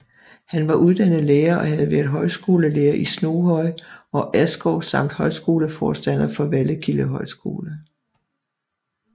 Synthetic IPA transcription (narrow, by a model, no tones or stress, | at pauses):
hænʋɑ̈ʔuðˠd̥ænð̩ˠleːɐʔɒ̽hæð̞̩ˠʋæɐðˠɦɒ̽ɪsɡ̥o̝ːləleːɐʔisno̝ːhɒ̽ɪ̰ɒ̽ʔæsɡ̥ɒʊsɑ̈m̰d̥hɒ̽ɪsɡ̥o̝ːləfɒːsd̥æn̰ɐfɒ̽ʋæləkʰiləɦɒ̽ɪsɡ̥o̝̰ːlə